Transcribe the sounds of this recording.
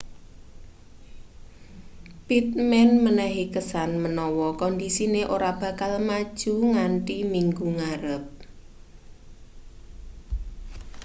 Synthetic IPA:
pit̪̚mɛnmənɛɦikəsanmənɔwɔkɔnd̪isineʔoɾab̥ä̤kalmad̥ʒ̥uŋanʈimiŋɡuŋaɾəp̚

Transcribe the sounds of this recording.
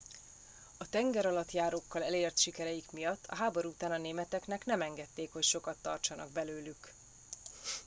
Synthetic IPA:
ɒt̪ɛŋɡɛɾɒlɒt̪jaːɾoːkːɒlɛleːrt̪ʃikɛɾɛjikmijɒt̪ːɒ̰ɦaːbo̞ɾuut̪aːnɒneːmɛt̪ɛknɛknɛmɛŋɡɛt̪ːeːkhocʃo̞kɒt̪ːɒ̰rt͡ʃɒnɒ̰ɡ̚bɛløːlyk

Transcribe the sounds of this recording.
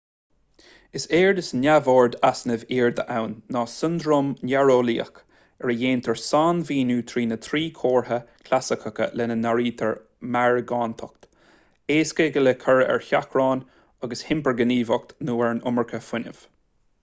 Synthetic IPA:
ɪseːɹd̪əsnʲavoːɹd̪asnəviːɹd̪ə̰ʔawnːɑːsɪnd̪ɾoːmnjaɹoːliːə̰k | ɛɹəjeːnt̪ʰəɹsaːnviːnuːt̪ʰɾiːnət̪ʰɾiːkʰoːɹɦəkʰlasɪkʰəkə̰lɛnənaɹiːt̪ʰəɹ | maɹɡɑːnt̪ʰɔk̚t̪ | eːskəɡələkʰəɹɛ̰ɹçakʰɹɑːn | aɡəshɪmpəɹɡəniːvɔk̚t̪nuːɛɹnʊ̰məɹkʰəfɪnə̰v̥

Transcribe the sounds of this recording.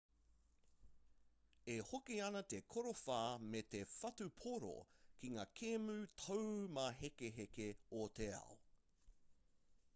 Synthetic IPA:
ehokiɐnɐt̪ekʰoɾofaːmet̪efɐtʉpʰoɾo̰kiŋaːkʰemʉt̪ʰɐwmaɦekeɦekeot̪eɐ̰o

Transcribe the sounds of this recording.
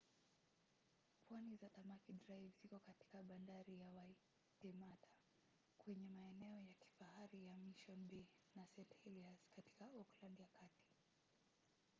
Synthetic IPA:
pʰwanizatamakidɾajvzikɔkati̥kaɓandaɾijawai | tɛmatʰḁ | kwɛɲɛmaɛnɛɔjaki̥fahaɾijamiʃɔnbɛnasɛtɛliaz̥kati̥kaɔklandjakati̥

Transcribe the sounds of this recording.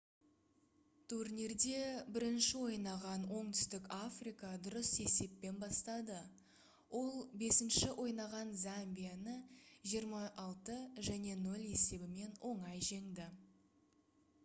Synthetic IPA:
t̪ʰuɾnʲeɾd̪e̞bɪɾɪnʃɪwo̞jnɑʁɑnwo̞ɴt̪ʏ̥st̪ɪkafrijkɑd̪ʊɾəse̞se̞pːe̞nbɑst̪ɑd̪ə | wʔo̞lˠbe̞sɪnʃɪwʔo̞jnɑʁɑnzambijanəʒijəɾmɑʔɑlˠt̪əʒæne̞nɵlʲe̞se̞bɪme̞nwʔo̞ɴɑjʒe̞ŋd̪ɪ

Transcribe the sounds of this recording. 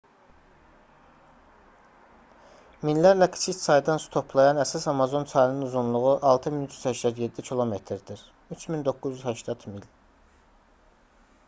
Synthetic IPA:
minlæɾlækʰi̥t͡ʃʰic̪sɑjd̪ɑnsu̥t̪ʰo̞pʰlˠɑjɑnæsɑsɑmɑzo̞nt͡sʰɑjnɯnuzunlˠuʁuʔɑlˠt̪ʰɯminyt͡ʃʰy̥z̥hæʃt̪æd̪je̞d̪ːicʰilˠo̞met̪ʰɾd̪iɾ | yt͡ʃʰmind̪o̞kːuzjyzhæʃt̪ɑt̪ʰmil

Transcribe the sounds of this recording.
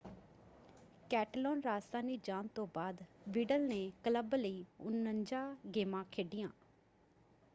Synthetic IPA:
kɛːʈloːnɾaːst̪ãːniːd͡ʒaːnt̪õːbaːd̪ʋiːɖəlneːkələbləiːʊnəɲd͡ʒaːɡeːmãːkʰeːɖɪjãː

